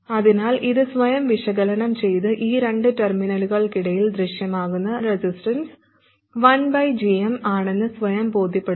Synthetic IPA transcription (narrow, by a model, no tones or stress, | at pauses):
ɐðinaːlʔiðɨsʋɐjɐmʋiʂɐɣɐlɐnɐmt͡ɕe̞jt̪ɨʔiːɾe̞ɳɖɨtɐrminɐluɣɐɭkiɽɐjild̪ɾiʂjɐmaːɣunːɐɾesisʈɐns | ʋɐnbɐjd͡ʑiemaːɳe̞nːɨsʋɐjɐmbo̞ːd̪ʱjɐpːe̞ɽ